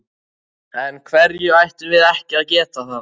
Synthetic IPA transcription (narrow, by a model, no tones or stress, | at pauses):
ɛnkʰvɛɾjʏajht̪ʏvɪðɛhcɪaðcɛːt̪aθan